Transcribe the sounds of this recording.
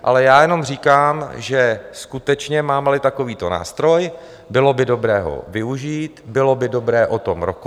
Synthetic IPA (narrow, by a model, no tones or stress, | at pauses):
ʔalɛjaːjɛno̞mriːkaːmʒɛskut̪ɛt͡ʃɲɛmaːmɛlɪt̪ako̞viːt̪o̞na̰ːst̪ɾo̞j | bɪlo̞bɪdo̞bɾɛːɦo̞̰vɪuʒiːt̪bɪlo̞bɪdo̞bɾɛːʔot̪o̞mɾok